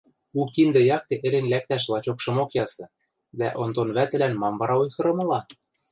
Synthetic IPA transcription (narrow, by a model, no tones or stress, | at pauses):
ukːind̪ɤ̆jɑk̚t̪eʔĕlenlæk̚t̪æʃ̬lˠɑt͡ɕokʃɤ̆mokjɑsɤ̆ | d̪æ̰ʔont̪onβæt̪ɘ̆lænmɑmβɑɾɑojxɤ̆ɾɤ̆mɤ̆lɑ